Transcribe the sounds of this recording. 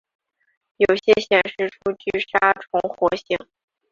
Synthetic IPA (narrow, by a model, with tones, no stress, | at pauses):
jo˨˩ʊɕjɛ˥ɕjɛ˨˩nʂɻ̩˥˩ʈ͡ʂʰu˥t͡ɕy˥˩ʂa˥ʈ͡ʂʰʊ˧˥ŋxwɔ˧˥ɕi˧˥˩ŋ